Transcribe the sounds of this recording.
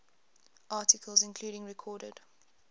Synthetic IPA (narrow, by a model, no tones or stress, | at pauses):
ʔɑˑtɪkʰəlˠzɪ̃nkʰl̥uːɾɪ̃ŋɹɛkʰɔːɾə̰d̥